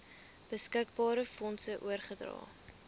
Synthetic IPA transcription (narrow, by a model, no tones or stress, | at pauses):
b̥əskəkbɑːɾəfɔnsəʔuərχədrɑ̰ː